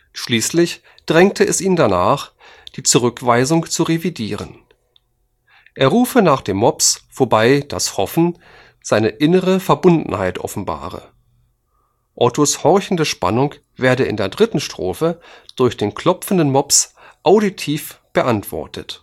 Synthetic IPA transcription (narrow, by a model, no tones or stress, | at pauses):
ʃliːslɪç | d̥ʁɛŋktʰəɛsʔiːndanaːχ | d̥iːt͡suʁʏkv̥aɪzʊŋt͡suʁevidiːʁ̞ən | ʔeːɐʁuːfənaːχd̥eːmːɔpsfoɐbaɪd̥a̰shɔfn̩ | z̥aɪnəʔɪnəʁəfɛɐbʊndn̩haɪtʰʔɔ̰fn̩ba̰ːʁə̰ | ʔɔtoshɔɐçn̩dəʃpa̰nʊŋ | v̥eːɐdəɪ̰ndeːɐdʁɪtn̩ʃtʁ̥o̰ːfəd̥ʊɐçd̥eːnkl̥ɔpp͡fn̩dənmɔps | ʔaʊditʰiːfb̥əʔantv̥ɔ̰ɐtʰə̰t